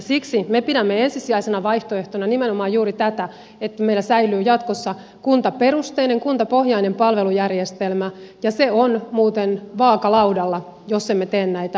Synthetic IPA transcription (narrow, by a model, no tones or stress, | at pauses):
siksimepiɾæmːeensisiæisenɑʋɑiht̪oeht̪onɑnimenomɑːjjuːɾit̪æt̪æ | et̪ːæmeilːˑæsæilˑyːjɑt̪kosːɑ | kunt̪ɑperust̪eːneŋkunt̪ɑpohɦjɑinempɑlʋe̞lujærjest̪elmæjɑseonmuːt̪enʋɑːkɑlɑudɑlːɑ | josːemːet̪eːnnæit̪æ